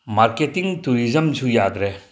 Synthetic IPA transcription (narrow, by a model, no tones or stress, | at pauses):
maːɾkeʈiŋɡt̪uːɾizəmt͡ʃʰujaːd̪ɾɛ